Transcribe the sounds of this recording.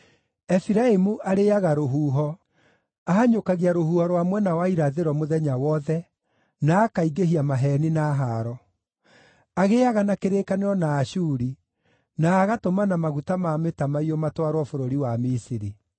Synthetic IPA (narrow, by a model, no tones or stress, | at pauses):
ɛfiɾaemuʔaɾeaɣaɾoɦuːɦɔ | aɦaɲokaɣiaɾohuːhɔɾwamwɛnawaiɾaðeɾɔmoðɛɲawɔðɛ | naːkaiɡeɦiamaɦɛninaːɦaɾɔ | aɣeaɣanakeɾekaneɾɔnaːʃuːɾi | naːɣatomanamaɣutamametamaiɔmatwaɾwɔfoɾoɾiwamisiɾi